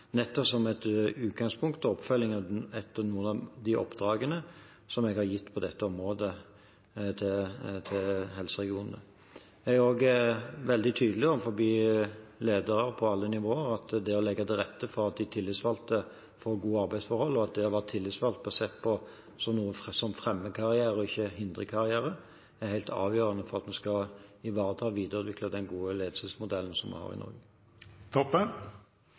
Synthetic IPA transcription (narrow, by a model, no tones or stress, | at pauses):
nɛt̪ːɔsɔmɛt̪ʉːt̪ɡɑŋspʰʊŋkt̪ɔɔpfœlːɪŋɑɛt̪ːəʁnuːənɑd̪ɪʔɔ̰pd̪ɾɑːɡənə | sɔmɛɡhɑɾjɪt̪ːpʰɔd̪ɛt̪ːəɔmɾoːd̪ə | t̪ʰɪt̪ʰɪlɦɛlsəʁɛɡɪuːnə | æoːɡʋɛld̪ɪt̪ʰyːd̪əlɪɔmfɔɾbiːleːd̪əɾəɾpʰɔɑlːənɪʋoːəɾɑt̪d̪ɛɔlɛɡːɑd̪ɛɾɛt̪ːəfɔɾɑt̪̚d̪ɪt̪ʰɪlːɪt̪sʋɑlt̪ə | fɔɾɡuːɑɾbæɪsfɔɾhɔlːɔɑt̪̚d̪ɛhɑʋæt̪ʰːɪlːɪt̪sʋɑlt̪̚bɛɑsɛt̪ːpʰɔ | sɔnuːəsɔmfʁɛmːəkʰɑɾɪæːɾəɔɪçːəɦɪnd̪ʁəkʰɑɾɪæːɾə | æhæɪlt̪ʰɑ̰ːʋjøːɾənəfɔɾʁɑt̪mɛnskɑɪʋɑːɾət̪ʰɑːʋiːd̪əɾʉːt̪ʋɪkləd̪ɛnɡuːəleːd̪əsəsmʊd̪ɛlːən̩sɔmɑ̰hɑ̰ːʁɪ̰nɔ̰ɾɡə | t̪ʰɔpːən